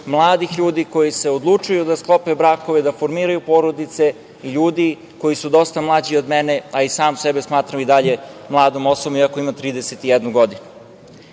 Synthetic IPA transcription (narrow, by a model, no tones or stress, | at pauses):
mlˠaːd̪ixʎuːd̪iko̞jise̞od̪lˠut͡ʂujud̪asklˠo̞pebɾaːko̞ʋed̪afoɾmiːɾajupo̞ɾod̪it̪se̞ | iʎuːd̪i | ko̞jisud̪o̞st̪amlˠaːd͡ʑiod̪mene̞aisaːmsebesmaːt̪ɾamid̪aʎe̞mlˠaːd̪omosobomiako̞imat̪ɾiːd̪eset̪ijed̪nuɡo̞d̪inu